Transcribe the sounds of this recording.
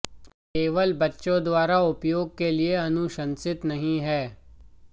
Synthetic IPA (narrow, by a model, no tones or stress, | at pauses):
keːʋəlbɐtːʃõd̪waːɾaʊpjoːɡ̚kelieɐnʊʃə̃nsɪt̪nɐɦĩɦɛː